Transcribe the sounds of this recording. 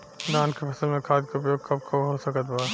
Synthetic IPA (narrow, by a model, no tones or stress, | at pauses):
d̪aːnkepʰɐsəlmẽkʰaːd̪̚kaʊpjoːɡ̚kɐb̚kʰoɦoːsɐkət̪baː